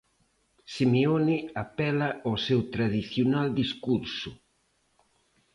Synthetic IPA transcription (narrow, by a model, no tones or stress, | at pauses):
simeoniapɛlaosewt̪ɾaðiθjonald̪iskuɾsʊ